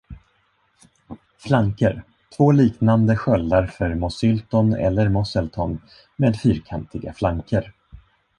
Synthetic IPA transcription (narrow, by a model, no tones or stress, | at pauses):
flaŋkəɾ | t̪ʰvoːliːknand̪əɧœlːaɾfœɾmɔsʏlt̪ɔnɛ̰lːəɾmɔsɛlt̪ʰɔn | meːd̪fyːɾkʰant̪ɪɡa̰flaŋkʰəɾ